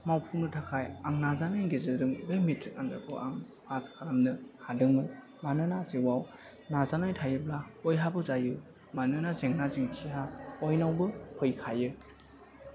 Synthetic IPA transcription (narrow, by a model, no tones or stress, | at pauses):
mawpʰuŋnɯtʰakʰajaŋnazanajɡezɯduŋbejmitʰandɯkʰɯ̰ʔa̰ŋ | pʰaskʰaɾamnɯhadɯŋmɯ | manɯnaziwaw | nazanajtʰajɯblaɔjɦabɯzajɯ | manɯnazeŋnaziŋsiɦaɔjnawbɯpʰɯjkʰajɯ